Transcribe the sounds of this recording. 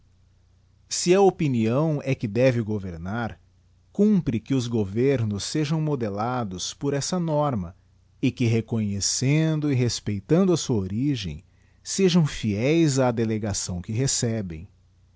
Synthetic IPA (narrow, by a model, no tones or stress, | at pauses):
sɪɐopiniɐ̃w̃ɛkɪd̪ɛvɪɡoveɾnaɾ | kũpɾɪkɪʊzɡoveɾnʊsːeʒɐ̃w̃mod̪elad̪ʊspoɾɛsɐnɔɾmɐ | ɪkɪɦekoɲesẽnd̪ʊɪɦespejt̪ɐ̃nd̪ʊɐsuɐoɾiʒḛ̃j̃ | seʒɐ̃w̃fiɛjzɐd̪eleɡasɐ̃w̃kɪɦesɛbḛ̃j̃